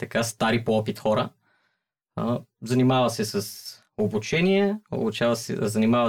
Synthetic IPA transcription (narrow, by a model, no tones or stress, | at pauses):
t̪ɐkast̪aɾipoɔpit̪xɔɾə | zɐnimavɐsɛsɐs | obut͡ʃɛniɛo̰but͡ʃavɐsɛ̰zɐnimavə